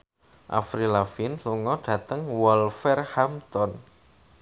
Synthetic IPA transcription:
ʔa̰fɾilafinluŋɔɖ̥ä̤t̪əŋwɔlfɛrhamt̪ɔn

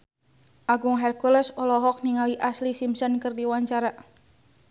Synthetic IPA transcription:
ʔaɡuŋɦɛrkulɛsɔlɔɦɔk̚niŋaliʔaslisimsɔnkɨrdiwaɲt͡ʃaɾa

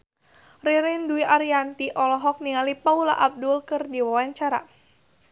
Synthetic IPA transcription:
riɾɪnduiʔaɾiant̪iʔɔlɔɦɔk̚niŋalipaula̰ʔab̚dulkɨrdiwawaɲt͡ʃaɾa̰

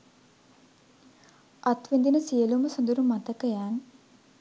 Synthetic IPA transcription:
ʔat̪ʋend̪inəsiəluməsɐnd̪uɾumat̪əkəjaːn

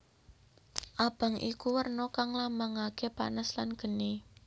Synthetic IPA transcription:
ʔab̥a̤ŋʔḭkuwərnɔkaŋlamaŋakepa̰nəslanɡ̥ə̤ni

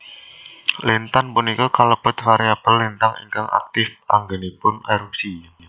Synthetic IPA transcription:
lint̪anpʊnikukaləb̥ə̤t̪̚faɾiab̥əlːint̪aŋḭŋkaŋʔa̰k̚t̪ɪfa̰ŋɡenipʊneɾup̚si

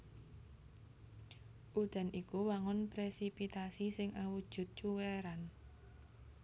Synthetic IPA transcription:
ʔud̪̥a̤nikuwaŋʊnpɾesipit̪asisɪŋʔawud̥ʒ̥ʊ̤t̪̚t͡ʃuweɾan

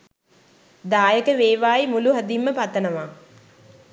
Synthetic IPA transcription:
d̪aːjəkəʋeːʋaːimuluɦɐd̪imːəpat̪ənəʋaː

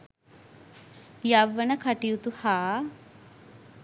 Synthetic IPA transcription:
jɐʋːənəkʰɐʈijut̪uhaː

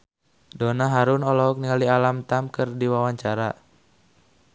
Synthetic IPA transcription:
donaɦaɾʊnɔlɔɔk̚niŋalialamt̪amkɨrdiwawaɲt͡ʃaɾa

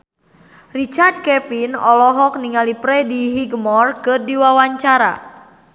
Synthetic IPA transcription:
rit͡ʃard̚kɛpinɔlɔɦɔk̚niŋalipɾɛdiɦiɡəmɔrkɨrdiwawaɲt͡ʃaɾa̰

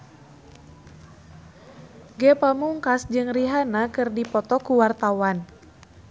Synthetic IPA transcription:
ɡɛpamuŋkasd͡ʒɨŋriɦanakɨrdipɔt̪ɔkuwart̪awan

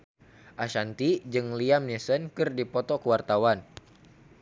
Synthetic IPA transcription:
ʔaʃant̪id͡ʒɨŋliamnesənkɨrdipɔt̪ɔkəwart̪awan

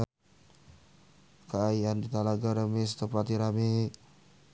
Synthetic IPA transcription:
kəaiandit̪alaɡaɾəmesə̥t̪əpat̪iɾame

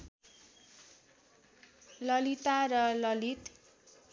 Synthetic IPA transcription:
lʌlit̪arʌlʌlit̪

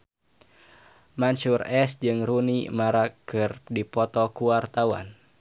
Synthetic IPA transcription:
mansurɛsd͡ʒɨŋrunḭmaɾakːɨrdipɔt̪ɔkuwart̪awa̰n

